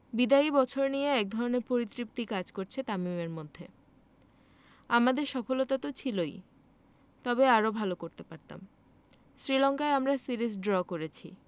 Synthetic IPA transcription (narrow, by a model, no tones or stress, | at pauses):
bid̪aibɔt͡ɕʰoɾnijeɛk̚d̪ʱɔɾoneɾpoɾit̪ɾip̚t̪ikad͡ʑkoɾt͡ɕʰet̪amimeɾmod̪ʱːe | amad̪eɾʃɔfolot̪at̪ot͡ɕʰiloj | t̪ɔbeaɾobʱalokoɾt̪epaɾt̪a̰m | sɾilɔŋkaeamɾasiɾis̬ɖɾɔkoɾet͡ɕʰi